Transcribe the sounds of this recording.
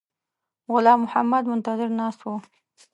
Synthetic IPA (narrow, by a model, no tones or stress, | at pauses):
ɣʊlɑmʊhamːad̪mʊnt̪ad̪ɪɾnɑːst̪wo